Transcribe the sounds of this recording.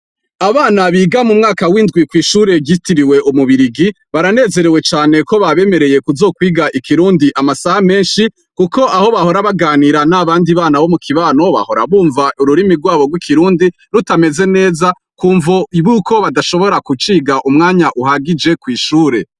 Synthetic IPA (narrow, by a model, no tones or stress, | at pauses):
aβaːnaβiːɡamumŋaːkawindɡwikwiːʃuːɾe̞ɟitiɾiwe̞ʔumuβiɾiɡi | βaɾane̞ːze̞ɾe̞we̞t͡ʃaːne̞ko̞βaβe̞me̞ɾe̞je̞kuzo̞ːkwiːɡaʔikʰiɾuːndiʔamasahame̞ːnʃi | kuko̞ʔaho̞βaho̞ɾaβaɡaːniɾanaβaːndiβaːnaβo̞mukʰiβaːno̞βa̰ho̞ɾa̰βuːɱvaʔuɾuɾimiɾɡwaːβo̞ɡwikʰiɾuːndinutame̞ze̞ne̞ːza | kuːɱvoiβukʰo̞βadaʃo̞βo̞ɾakut͡ʃiːɡaʔumŋaːɲaʔuhaɡid͡ʒe̞kwiːʃuːɾe̞